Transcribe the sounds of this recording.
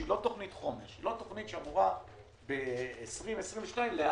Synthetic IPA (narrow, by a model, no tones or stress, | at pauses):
ilo̞t̪o̞χnit̪χo̞meʁʃilo̞t̪o̞χnit̪ʃeamuʁa | beːsʁimesʁimveʃnaimlea